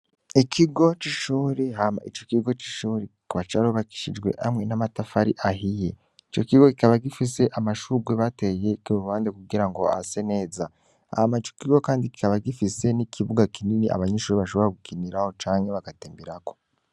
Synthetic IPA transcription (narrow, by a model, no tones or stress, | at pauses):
ikʰiɡo̞t͡ʃiʃuːɾehama̰it͡ʃo̞kiɡo̞t͡ʃi̥ʃuːɾiikuβat͡ʃaɾuβaki̥ʃid͡ʒɡwe̞̰ʔamŋe̞namatafaɾḭʔaɦije̞ | it͡ʃo̞kiɡo̞kikaβaɡifise̞ʔamaʃuɡweβate̞je̞kiuuβaːndekuɡiɾaŋɡo̞̰a̰sene̞ːza | a̰hamait͡ʃo̞̥kiɡo̞kaːndiki̥kaβaɡifise̞nikʰiβuɡakininiʔa̰βaɲeʃuːɾiβaʃo̞βo̞ɾaɡukiniɾaho̞t͡ʃaːŋhe̞βaɡateːmbiɾako